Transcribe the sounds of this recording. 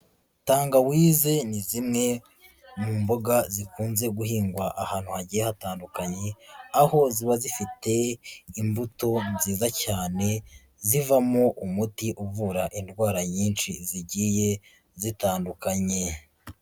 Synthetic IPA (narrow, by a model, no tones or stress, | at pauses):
taːŋɡawiːze̞nizimŋe̞ | mumbo̞ɡazikuːnze̞ɡuɦiːŋɡwaʔahaːn̥huhaɟijehataːndukaɲe̞aho̞ziβazifite̞imbuto̞nziːzacaːne̞ | zivamoʔumutiʔuvuɾaʔindɡwaːɾaɲiːnʃiziɟiːje̞ | zitaːndukaɲe̞